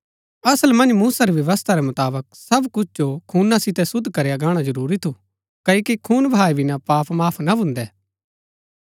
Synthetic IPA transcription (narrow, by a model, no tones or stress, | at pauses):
ɐsəlmɐ̃nmuːsaɾiʋjɐʋəst̪ʰaɾɛmʊt̪aːbək̚sɐbkʊt͡ʃʰd͡ʒokʰuːnãsɪt̪ɛsʊd̪ʱːkɐɾejaɡaːɽ̃ad͡ʒɐɾuːɾit̪ʰu | kɐːokikʰuːnbʱaːibʱinãpaːpʰmaːpʰnabʱʊ̃nd̪ɛː